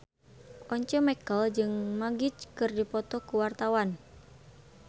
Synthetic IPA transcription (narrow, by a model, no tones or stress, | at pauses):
ʔɔɲt͡ʃəmɛkəld͡ʒɨŋmaɡit͡ʃkɨrdipɔt̪ɔkuwart̪awan